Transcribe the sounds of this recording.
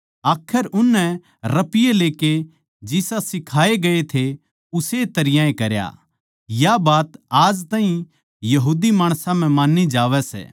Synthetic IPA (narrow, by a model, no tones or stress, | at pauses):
aːkʰəɾʔʊnːɛ | ɾɐpɪjeleːke | d͡ʒɪsasɪkʰaːeɡɐet̪ʰe | ʊset̪ɐɾɪjãẽkɐɾja̰ | jabaːt̪aːd͡ʒt̪aːɦĩ | jɐɦuːd̪imaːɽ̃sãm̤ɛ̃mãːnːid͡ʒaːʋɛsɛ̰ː